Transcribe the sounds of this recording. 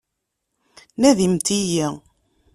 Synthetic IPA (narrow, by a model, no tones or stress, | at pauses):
næðimt̪iji